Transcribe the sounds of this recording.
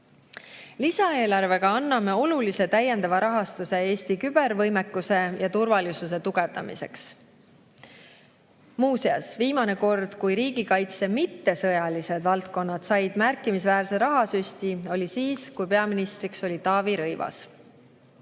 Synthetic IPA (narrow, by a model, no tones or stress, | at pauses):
lisɑe̞ːlɑrve̞ɡ̥ɑɑnːɑme̞o̞lulise̞t̪æjːend̪ɑvɑɾɑɦɑst̪use̞e̞ːst̪ikyb̥e̞ɾvɤ̞jmekːˑuse̞jɑt̪urvɑlisus̬e̞t̪uɡ̥e̞vd̪ɑmḭse̞̰ks | muːsiɑ̰sviːmɑne̞ko̞rd̪̥kujɾiːɡikɑjt̪se̞mit̪ːe̞sɤ̞jɑlise̞d̪̥vɑlt̪̚ko̞nːɑd̪̥sɑjd̪̥mærkːˑimisvæːɾse̞ɾɑɦɑsyst̪io̞lʲisiːskujpe̞ɑminist̪ɾikso̞lit̪ɑːviɾɤjvɑ̰s